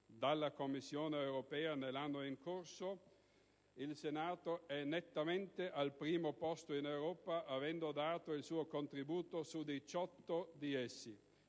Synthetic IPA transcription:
d̪alːakomːisːjoːneewɾopɛːanelːanːoiŋkorso | ilsenaːt̪oɛnet̪ːament̪eʔalpɾiːmopɔst̪oinewɾɔːpaʔavɛnd̪od̪aːt̪oilsuːokont̪ɾibuːt̪osud̪it͡ʃɔt̪ːod̪iɛsːi

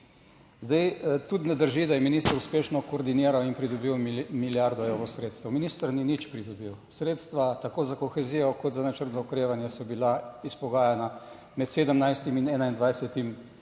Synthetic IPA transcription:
zd̪ajt̪ut̪nɛd̪əɾʒid̪ajɛminist̪əɾuspeːʃnɔkoːɾd̪iniːɾawinpɾid̪ɔbiwmiljaɾd̪ɔewɾɔsɾeːt̪st̪əwminiːst̪əɾninit͡ʃpɾid̪ɔbiwsɾeːt̪st̪ʋat̪akoːzakɔxɛzijɔkɔt̪zanat͡ʃəɾt̪zaukɾeːʋanjɛsɔbilaispɔɡaːjana | mɛt̪seːd̪əmnajst̪iminɛːnaind̪ʋajsɛt̪im

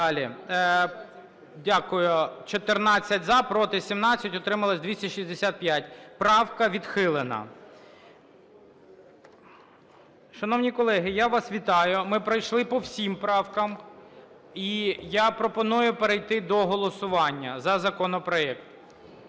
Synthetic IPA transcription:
ɑlʲi | dʲakʊjʊt͡ʃɔt̪ɪrnɑt͡sʲːɐtʲzɑpɾɔt̪ɪsʲimnɑt͡sʲːɐtʲɔt̪ɾɪmɐlˠɐsʲd̪ʲʋʲisʲtʲɐʃizʲd̪esʲat̪̚pʲjatʲpɾɑwkɐʋʲid̪xɪlˠɪnɐ̰ | ʃɐnɔwnʲikɔlˠɛɦɪjaʋɑsʋʲit̪ɑjʊmɪpɾɐjʃlˠɪpɔwsʲimpɾɑwkɐm | ijapɾɔpɔnujʊpeɾejt̪ɪd̪ɔɦɔlˠɔsʊʋɑnʲːɐzɐzɐkɔnɔpɾɔɛk̚t̪

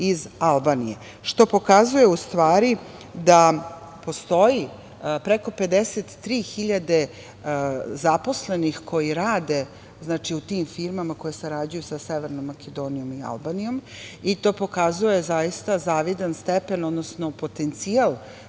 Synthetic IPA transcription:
izalˠbaːnije | ʃt̪o̞po̞kazuje̞ust̪ʋaːɾi | d̪a | po̞st̪o̞ji | pɾeko̞pe̞d̪eset̪ːɾiːxiʎad̪e̞ | zapo̞sle̞nixkʰo̞jiɾaːd̪e̞ | znaːt͡ʃiut̪iːmfiɾmamako̞jeseɾad͡ʑujusaseʋeɾnomːaked̪o̞ːnijo̞mia̰lˠbanijo̞m | it̪o̞ːpo̞kazujezajist̪azaːʋid̪anst̪epenod̪nosno̞po̞t̪ent̪sijalˠ

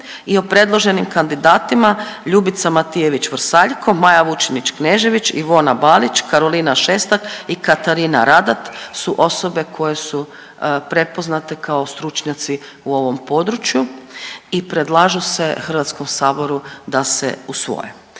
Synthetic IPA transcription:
io̞pɾe̞d̪lˠo̞ʒe̞nimkand̪id̪aːt̪imaʎubit̪samat̪ije̞ʋit͡ɕʋr̩saʎkʰo̞majaʋut͡ʃinit͡ʃkneːʒe̞ʋit͡ɕḭʋo̞nabalit͡ʃkaɾo̞linaʃeːst̪akikat̪aɾina̰ɾad̪at̪suʔo̞so̞be̞kʰo̞je̞su | pɾe̞po̞znat̪e̞kʰao̞st̪ɾut͡ʃɲat̪si | uo̞ʋo̞mpo̞d̪ɾut͡ʃjuipɾe̞d̪lˠaʒuse̞xr̩ʋat̪sko̞msaːbo̞ɾud̪asḛusʋo̰jḛ

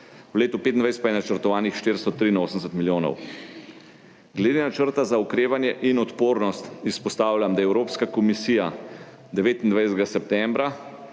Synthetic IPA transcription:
wleːt̪upeːt̪ind̪ajsɛt̪pajɛnat͡ʃəɾt̪ɔʋaːnixʃt̪eːɾst̪ɔt̪ɾiːnoːsəmsət̪miljoːnɔ̰w | ɡlɛd̪enat͡ʃəɾt̪azaukɾeːʋanjɛʔinɔt̪poːɾnɔst̪ispɔst̪aːwlʲjamd̪ajɛwɾoːpskakɔmisiːja | d̪ɛʋeːt̪ind̪ʋajsɛt̪ɛɡasɛp̚t̪ɛmbɾa

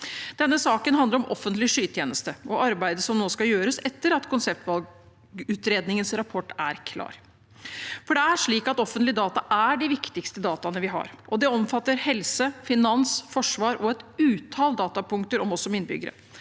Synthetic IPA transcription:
d̪̥ɛnːəsɑːkənɦɑnd̪əɾɔmʔɔ̰fːənt̪lɪʂyːt̪ʰjeːnəst̪əʔɔʔɑɾbæɪd̪əsɔmnoːskɑjøːɾəsɛt̪ːəɾɑt̪kʰʊnsɛp̚t̪ʋɑl | ʉːt̪ɾeːd̪nɪŋənsɾɑpʰɔʈːæ̰ɾkʰlɑ̰ːɾ | fɔɖɛæʂɭiːkɑt̪ɔfːənt̪lɪd̪ɑːt̪ɑʔæɖɪʋɪkt̪ɪkst̪əd̪ɑːt̪ɑnəʋɪɦɑ̰ɾʔɔd̪ɛɔmfɑt̪ːəɾhɛlsəfɪnɑnsfɔʂʋɑːɾɔɛt̪ʉːt̪ʰɑːld̪ɑːt̪ɑpʰʊŋk̚t̪əɾɔmɔsːɔɔmɪnːbʏ̰ɡːəɾə̰

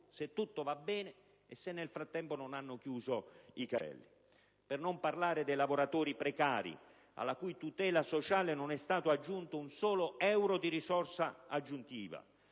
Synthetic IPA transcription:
set̪ːut̪ːovabːɛːneː | sːenːelfɾat̪ːɛmponʊnanːʊkjuːzoikaɛ̰lːi | pɪrnomparlaːɾɪd̪ejlavoɾat̪oːɾipɾɛkaːɾḭ | a̰lːakujt̪ut̪ɛːlasot͡ʃaːlɪnʊnɛst̪aːt̪ʊad͡ʒːunt̪ʊunsɔːloɛwɾod̪iɾisɔrsaad͡ʒːunt̪ḭːva̰

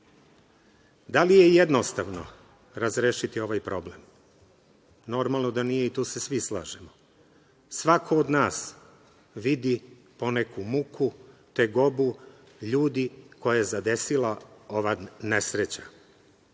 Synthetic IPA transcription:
d̪alije̞jed̪nost̪aʋno̰ | ɾazɾeːʃit̪io̞ʋajpɾo̞blem | no̞ɾmalˠno̞d̪anije̞it̪uːsesʋislˠa̰ːʒemo | sʋakʰoːd̪naːs | ʋid̪i | po̞nekʰumukʰut̪eɡo̞bu | ʎuːd̪iko̞jajezad̪e̞silao̞ʋanesɾet͡ɕa

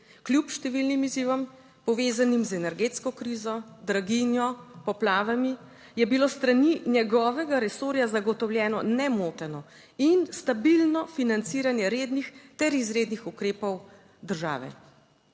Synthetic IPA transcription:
kljupʃt̪ɛʋilnimiziʋɔm | pɔʋeːzanimzɛnɛɾɡeːt̪skɔkɾiːzɔd̪ɾaɡinjɔpɔplaːʋami | jɛbilost̪ɾaninjɛɡɔːʋɛɡaɾɛsoːɾjazaɡɔt̪ɔwljɛːnɔnɛmoːt̪ɛnɔ | inst̪abilnɔfinant̪siːɾanjɛɾeːd̪nixt̪ɛɾizɾeːd̪nixukɾeːpɔw | d̪əɾʒa̰ːʋɛ̰

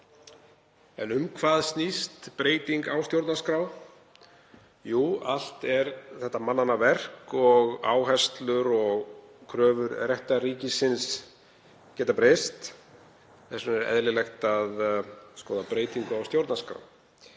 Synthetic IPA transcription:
ɛ̰nʏmkʰvaːðst̪nist̪pɾeːjt̪iŋkawst̪jowɾt̪naskɾaːw | juːal̥t̪ɛɾθɛht̪ːamanːanːavɛr̥kɔɣa̰ːwɦɛst̪lʏɾɔɣkʰɾœːvʏɾrjɛht̪ariːcɪsːɪns | cɛːt̪apɾest̪ | θɛsʏnɛɾɛ̰ðlɪlɛxt̪aðskɔːðapɾeːjt̪iŋkʏawst̪jowɾt̪naskɾa̰w

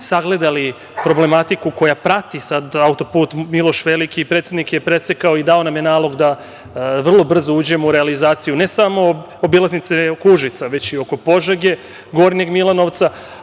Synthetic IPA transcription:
saɡle̞d̪ali | pɾo̞ble̞mat̪ikuko̞japɾat̪isad̪aut̪o̞puːt̪milˠo̞ʃʋe̞likipɾet̪sjed̪nikjepɾe̞sekao̞id̪ao̞namjenaːlˠo̞ɡd̪a | ʋr̩lˠo̞br̩zouːd͡ʑe̞mouɾealizaːt̪sijune̞samo̞ | obilˠaznit̪sekuʒit̪saʋe̞t͡ɕio̞ko̞po̞ʒeɡe̞ | ɡo̞ɾneɡmilˠano̞ʋt̪sa

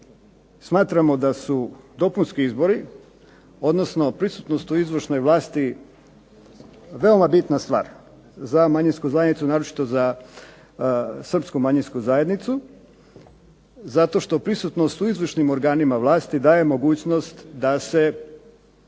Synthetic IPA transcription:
smaːt̪ɾamo̞d̪asud̪o̞punskiizbo̞ɾi | o̞d̪nosno̞pɾisut̪no̞st̪uizʋr̩ʃno̞jʋlˠaːst̪i | ʋe̞omabit̪nast̪ʋa̰ːɾ | zamaɲinskuzaed̪nit̪sunaːɾot͡ʃi̥t̪o̞za | sr̩pskumaɲinskuzaje̞d̪nit̪su | zat̪o̞ʃt̪o̞pɾisut̪no̞st̪uizʋrʃnimo̞ɾɡaːnimaʋlˠaːst̪id̪aːje̞mo̞ɡuːt͡ɕno̞st̪d̪ase̞

